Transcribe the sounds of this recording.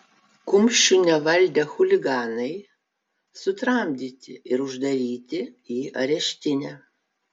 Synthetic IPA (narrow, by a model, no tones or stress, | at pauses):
kʊmʲʃʲt͡ʃʲʊnʲɛʋɐlʲd̪ʲɛxʊlʲɪɡɑːnɐɪ | sʊt̪ɾɐmʲd̪ʲiːt̪ʲɪɪɾʊʒd̪ɐɾʲiːt̪ʲɪiːɐ̰ɾʲɛʃʲt̪ʲɪnʲɛ